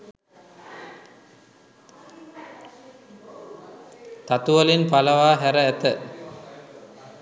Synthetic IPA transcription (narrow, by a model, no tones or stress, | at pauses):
t̪at̪uʋəlinpaləʋaːɦæɾəæt̪ə